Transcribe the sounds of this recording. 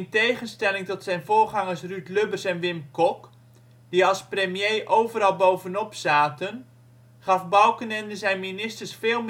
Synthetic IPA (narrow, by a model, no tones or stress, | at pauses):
ntejχənstɛlɪŋtɔtsɛjnvʊːrχɑŋərsrytløbərsɛnʋɪmkɔk | diɑlˠspremjejʔowvərɑlˠbowvənɔpsaːtən | χɑfbɑwkənɛndəzɛjnminɪstərsfeːlˠm